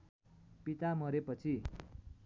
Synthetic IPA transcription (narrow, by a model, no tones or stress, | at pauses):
pit̪amʌɾepʌt͡sʰi